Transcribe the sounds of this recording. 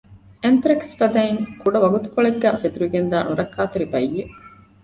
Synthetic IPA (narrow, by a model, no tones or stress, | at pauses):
ʔent̪ɾɐksfɐd̪ɐiŋkuɖɐʋɐɡut̪u̥koɭeɡːæfed̪uʋiɡend̪aːnuɾɐkːaːt̪eɾibɐijːe